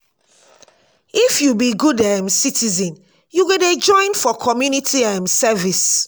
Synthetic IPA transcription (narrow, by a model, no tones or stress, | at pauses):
ifjubiɡudɛ̃msitʰizɛ̃n | juɡoded͡ʒɔ̃ɪ̃nfɔkʰɔmjunitʰiɛ̃msɛvis